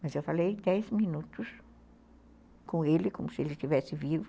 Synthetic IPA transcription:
mɐzewfalejd̪ɛzminut̪ʊs | kõelɪkõmʊsɪelɪt͡ʃivɛsɪvivʊ

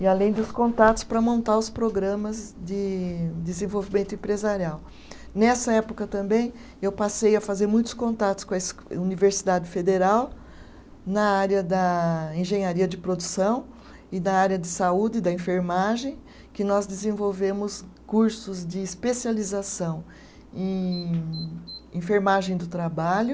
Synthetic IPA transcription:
ɪalẽj̃d̪ʊskõnt̪at̪ʊ̥spɾɐmõnt̪aɾʊspɾoɡɾɐ̃mɐzd͡ʒɪd̪ɪzẽvowvimẽnt̪ʊẽmpɾezaɾiaw | nɛsɐɛpʊkɐt̪ɐ̃mbẽj̃ | ewpasejɐfazeɾmũj̃t̪ʊ̥skõnt̪at̪ʊ̥skõɐsuniveɾsid̪ad͡ʒɪfed̪eɾaw | nɐaɾjɐd̪ɐẽʒẽj̃aɾiɐd͡ʒɪpɾod̪usɐ̃w̃ | ɪnɐaɾjɐd̪ɪsaud̪ɪd̪ɐẽfeɾmaʒẽj̃ | kɪnɔzd̪ɪzẽvowvẽmʊskuɾsʊzd͡ʒɪːspesializasɐ̃w̃ | ẽ | ẽfeɾmaʒẽj̃d̪ʊt̪ɾabaʎʊ

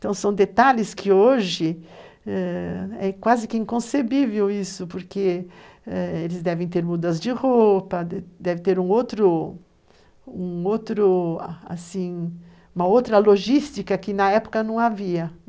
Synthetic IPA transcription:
t̪ɐ̃w̃sɐ̃w̃d̪et̪alɪskʰɪoʒɪ | ɛɛkwazɪkɪĩŋkõsebivewisʊpoɾke | ɛelɪzd̪ɛvẽj̃t̪eɾmud̪ɐzd͡ʒɪʁopɐd̪ɛvɪt̪eɾũowt̪ɾʊ | ũot̪ɾʊa̰sĩ | ũmɐowt̪ɾɐloʒist̪ikɐkɪnɐɛpo̥kɐnɐ̃w̃aviɐ

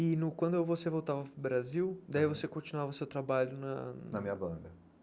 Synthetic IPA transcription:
ɪnʊkwɐ̃nd̪ʊewvosevowt̪avɐpɾʊbɾaziwd̪aivosekõt͡ʃinuavɐʊsewt̪ɾabaʎʊnɐnɐmĩɲɐbɐ̃nd̪ɐ

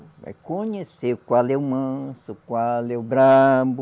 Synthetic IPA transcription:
va̰jkõɲesekwalewmɐ̃sukwalewbɾãbʊ

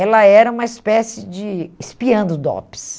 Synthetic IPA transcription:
ɛlɐɛɾɐũmɐispɛsɪd͡ʒɪːspiɐ̃nd̪ʊd̪ɔ̰pɪ̥s

